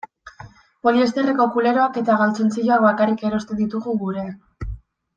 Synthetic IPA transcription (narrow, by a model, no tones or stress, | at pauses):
po̞lie̞st̪e̞reko̞kule̞ɾo̞ake̞t̪aɣalt͡sont͡siʎoak̚βakarike̞ɾo̞st̪e̞nd̪it̪uɣuɣuɾe̞ak